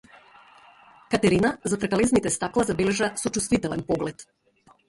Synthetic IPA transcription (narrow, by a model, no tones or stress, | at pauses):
kat̪ɛɾinazat̪ɾɛkalɛznit̪ɛst̪aklˠazabɛlɛʒasɔt͡ʃust̪vit̪ɛlɛnpɔɡlɛt̪